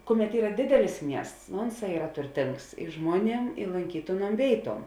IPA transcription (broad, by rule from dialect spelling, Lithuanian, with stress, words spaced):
ˈkʊˌmʲɛt ˈiːrɐ ˈdʲɪdʲɛlʲɪs ˈmʲiɛsts nʊ ˈʊnˌsɑː ˈiːrɐ tʊrʲˈtʲɪŋks ɪ ˈʒmuɔˌnʲiɛm ɪ lˠoːŋʲˈkʲiːtʲeːˌnuɔm ˈʋʲeːɪˌtuɔm